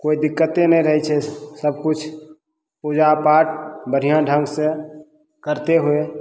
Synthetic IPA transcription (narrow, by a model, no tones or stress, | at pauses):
koːid̪ɪkːət̪ẽnəɦĩɾəɦɛt͡ʃʰɛsəb̚kʊt͡ʃʰ | pud͡ʒapaːʈ̚bəɾ̤ijãɖʱə̃ŋɡsẽ | kəɾt̪eɦue